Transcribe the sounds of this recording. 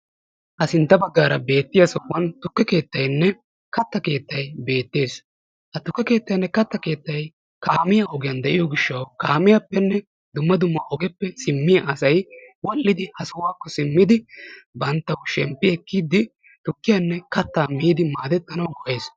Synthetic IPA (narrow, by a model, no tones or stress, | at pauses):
hɐsɪnt̪ːɐbɐɡːaːɾɐbe̞ːt̪ːɪjɐsɔwːɐnt̪ʊkːɛke̞ːt̪ːɐjnːɛ | kɐt̪ːɐke̞ːt̪ːɐjbe̞ːt̪ːe̞ːs | hɐt̪ʊkːɛke̞ːt̪ːɐjnːɛkɐt̪ːɐke̞ːt̪ːɐj | kaːmɪjɐɔɡɪjɐnd̪ɛʔɪjɔɡɪʃːɐwkaːmɪjapːɛnːɛ | d̪ʊmːɐd̪ʊmːɐɔɡɛpːɛsɪmːɪjɐʔɐsɐjwɔlːɪd̪ɪhɐsʊwaːkːɔsɪmːɪd̪ɪbɐnt̪ːɐwʃɛmpːɪɛkːiːd̪ɪ | t̪ʊkːɪjɐnːɛkɐt̪ːaːmiːd̪ɪmaːd̪ɛt̪ʼːɐnɐwɡɔʔeːs